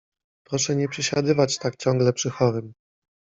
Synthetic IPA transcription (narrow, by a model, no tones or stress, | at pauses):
pɾɔʂɛɲɛpʂɛɕad̪ɘvat͡ɕt̪ak̚t͡ɕɔŋɡlɛpʂɘxɔɾɘm